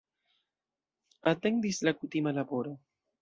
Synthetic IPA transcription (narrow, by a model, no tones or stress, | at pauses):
at̪end̪islakut̪imalaboɾo